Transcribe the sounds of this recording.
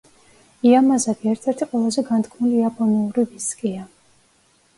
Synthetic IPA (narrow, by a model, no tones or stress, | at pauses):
iamazaɡiɛɾt̪ʰɛɾt̪ʰiqʼwɛlˠazɛɡant̪kʰmuliapʰʼɔniuɾiviskʼia